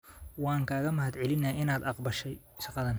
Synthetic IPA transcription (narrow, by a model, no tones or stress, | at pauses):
wɑːŋkʰaːɣɐmɐhɐd̪ʕɛlɪnɐɪnaːd̪ɑqbɐʃɛj | ʃɑqɑðɐn